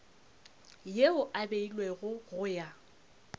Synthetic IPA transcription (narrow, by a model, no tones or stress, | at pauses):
jeʊʔabeilweɣʊɣʊja